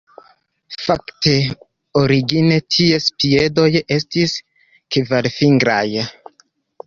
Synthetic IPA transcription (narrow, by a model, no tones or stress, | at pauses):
fakte̞ | oɾiɡine̞tʰie̞spie̞do̞je̞stis | kvalfiŋɡɾaj